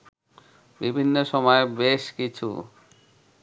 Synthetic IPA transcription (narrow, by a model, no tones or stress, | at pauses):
bibʱinːoʃɔmɔebeʃkit͡ɕʰṵ